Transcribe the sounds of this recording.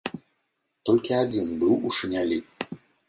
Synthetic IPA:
t̪ɔlʲkʲiad͡zʲinbɨwuʂɨnʲalʲi

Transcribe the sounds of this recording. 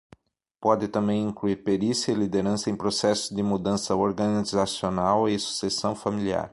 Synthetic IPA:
pɔd̪ɪt̪ɐ̃mbẽj̃ĩŋkluiɾpeɾisjɐɪlid̪eɾɐ̃sɐẽj̃pɾosɛsʊd̪ɪmud̪ɐ̃sɐoɾɡɐnizasionawɪsu̥sesɐ̃w̃familia̰ɾ

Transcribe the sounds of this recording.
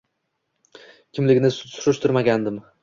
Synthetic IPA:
kʲʰɪmlɪɡʲnɪsʊɾʊʃt̪ʰʊɾmaɡʲand̪ɪm

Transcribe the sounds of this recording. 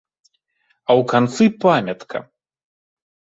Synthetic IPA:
ɐwkant̪sɨpamʲɐt̪kʰɐ̰

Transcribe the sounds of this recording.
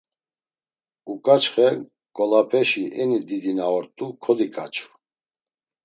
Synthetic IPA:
ukʼat͡ʃχɛ | kʼɔlapʰɛʃiʔɛnid̪id̪inaɔɾt̪ʼukʰɔd̪ikʼat͡ʃʰu̥

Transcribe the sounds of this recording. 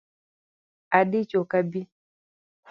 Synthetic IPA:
aɗit͡ʃokabi

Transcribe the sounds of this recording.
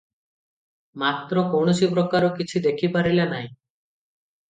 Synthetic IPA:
mat̪ɾɔkowɳɔsipɾɔkaɾɔkit͡ʃʰid̪ekʰipaɾilanaɦĩ

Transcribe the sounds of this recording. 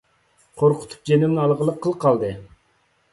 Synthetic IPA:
qʰoɾqʰʊ̥t̪ʰu̥p̚d͡ʒenɪmnɨɑlˠʁəlˠəqʰːəlˠqʰɑlˠd̪ɨ

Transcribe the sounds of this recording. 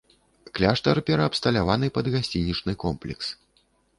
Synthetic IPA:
klʲaʂt̪ɐrpʲɛɾɐːpst̪ɐlʲavanɨpɐd̪ɣasʲt͡sʲinʲit͡ʂnɨkɔmplʲɛ̰ks

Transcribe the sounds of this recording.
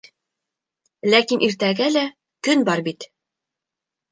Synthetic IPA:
lækinʔiɾt̪æɡælæ | kɵnbɒɾbit̪

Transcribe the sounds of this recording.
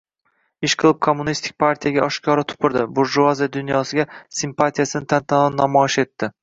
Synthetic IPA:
ɪʃqʰɨlˠɪp̚kʰomːʊnist̪ʰɪ̥k̚ʲpʰaɾt̪ʰijaɡʲaʔɒʃkʲʰɒɾat̪ʰʊ̥pʰɪɾd̪ɪbʊɾʒuazijad̪ʊnjɒsɪɡʲasɪmpat̪ʰijasɪnɪt̪ʰant̪ʰanannːamɒɪʃe̞t̪ʰːɪ

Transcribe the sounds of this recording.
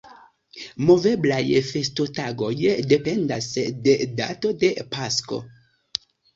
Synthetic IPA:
moveblajfestotaɡojdependasdeda̰todepasko̰

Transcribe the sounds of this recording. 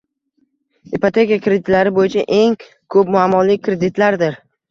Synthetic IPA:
ipot̪ʰe̞kʲijakɾed̪ɪt̪laɾɪbojɪt͡ʃʰaʔe̞ŋ | kʰɵpmʊamːɒlɪkɾe̞d̪ɪt̪laɾd̪ɪɾ

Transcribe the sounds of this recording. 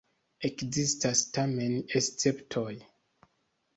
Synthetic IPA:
e̞kzistastame̞nest͡se̞ptʰoj

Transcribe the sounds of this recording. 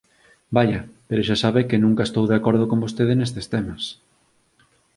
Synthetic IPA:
baʎɐpeɾoʃasaβekɪnũŋkaest̪owðeakoɾð̞okombost̪eðenes̬t̪est̪emɐs

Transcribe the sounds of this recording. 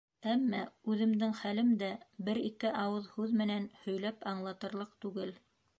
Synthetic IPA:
æmːæʉðɘ̆md̪ɘŋχælɘmd̪æbɘɾik̪ɘʔɑwɤðhʉðmɘ̆nænhɵ̆jlæpɑɴlˠɑt̪ɤ̆ɾlˠɤqt̪ʉɡɘl

